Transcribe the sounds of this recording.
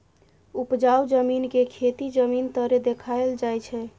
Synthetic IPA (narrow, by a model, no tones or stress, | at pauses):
upd͡ʒawd͡ʒəminkekʰet̪id͡ʒəmint̪əɾed̪ekʰaeld͡ʒajt͡ʃʰɛ